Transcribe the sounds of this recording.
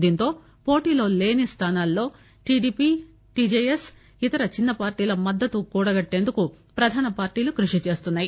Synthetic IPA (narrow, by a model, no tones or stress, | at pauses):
d̪iːnt̪o̞ː | po̞ːʈiːlo̞ːle̞ːnist̪ʰaːnaːlːo̞ː | ʈiɖiːpi | ʈiːd͡ʒeːjes | it̪ɐɾɐt͡ʃinːɐpaːɾʈiːlɐmɐd̪ːɐt̪ukuːɽɐɡɐʈːe̞ːnd̪uku | pɾɐd̪ʱaːnɐpaːɾʈiːlukɾuʂit͡ʃe̞ːst̪unːaːji